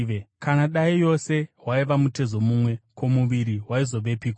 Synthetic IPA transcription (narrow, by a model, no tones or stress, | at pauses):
ekanaɗaijo̞se̞waiʋamute̞zo̞mumwe̞kʰo̞muʋiɾiɦwaizo̞ʋe̞piːkwa